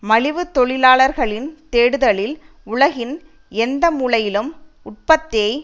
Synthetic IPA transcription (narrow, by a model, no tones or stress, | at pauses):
mɐɻɪʋɯt̪ɔɭɪlaːɭɐɾɣɐɭɪnt̪eːɽɯðɐɭɪl | ʊɭɐɣɪn | ɛnd̪ɐmuːɭɐjɪlɯm | ʊʈ̚pɐt̪ːɐɪ